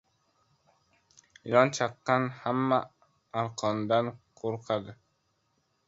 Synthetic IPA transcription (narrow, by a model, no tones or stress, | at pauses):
iɾɒnt͡ʃʰɑqːɑnhamːa | aɾqʰɒnd̪anqʰoɾqʰad̪ɪ